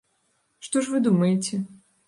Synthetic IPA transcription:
ʂt̪ɔʂvɨd̪umɐjet͡sʲɛ

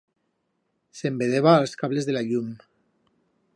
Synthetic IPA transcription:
sembeðeβaːlˠskaβlezðelaʎum

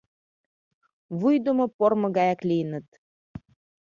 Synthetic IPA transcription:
βujd̪omŏpormɤ̆ɣɑjɑklijənə̆t̪

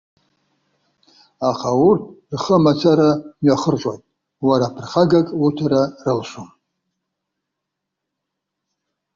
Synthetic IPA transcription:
aχʰawurtʰrχəmat͡sʰaɾamɥaχərʒʷʼa̰tʼ | waɾaːpʰɨrχaɡakʼwutʰaɾarɨlʃum

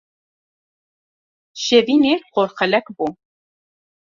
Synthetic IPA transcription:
ʃɛviːneːqoɾxɛlɛkbuː

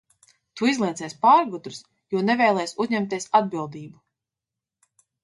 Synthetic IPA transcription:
t̪uizlˠiɛt̪sɛːspaːɾɡud̪ɾus | juɔnɛvɛjlˠɛjsuzɲɛmt̪iɛsad̪bilˠd̪iːbu

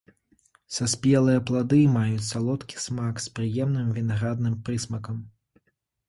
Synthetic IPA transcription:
saspʲɛlˠɨjɐplˠad̪ɨmajut͡sʲsalˠɔt̪kʲi̥smakspɾɨjɛmnɨmvʲinaɣɾad̪nɨmpɾɨsmɐkɐm

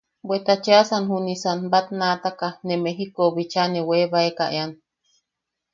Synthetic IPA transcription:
bʷet̪at͡ʃeasanɦunisanbat̪nat̪akanemeɦikoβit͡ʃaneweβaekaʔean

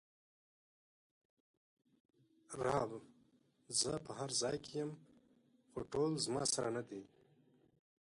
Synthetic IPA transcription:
ɾɑb | zəpəɦaɾzɑːjkʰejəm | xoʈolzmɑ̰saɾanad̪e

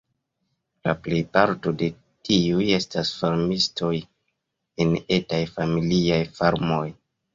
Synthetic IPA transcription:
la̰ple̞jpaɾto̞de̞ | tiuje̞stasfaɾmisto̞j | ene̞tajfamiliajfaɾmo̞j

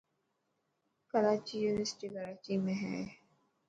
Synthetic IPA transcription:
kəɾaːt͡ʃijunəsʈiɡəɾaːt͡ʃimẽɦɛ̰

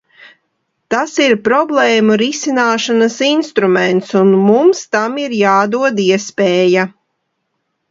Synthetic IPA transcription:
t̪asiɾpɾɔblˠɛːmuɾisinaːʃanɐsinst̪ɾumɛnt̪sunmumst̪amiɾjaːd̪uɔd̪iɛspɛːja

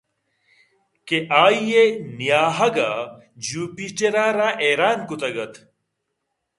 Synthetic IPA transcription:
keʔaːjenijaːɦɐɡa | d͡ʑuːpit͡ɕeɾaːɾaʔeːɾaːnkut̪ɐɡɐt̪

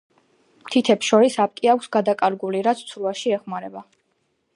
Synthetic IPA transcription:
mt̪ʰit̪ʰɛpsʃɔɾisap̚ʼkʼiakʷʰsɡad̪akʼaɾɡuliɾat̪sʰt̪sʰɾuaʃiɛχmaɾɛba

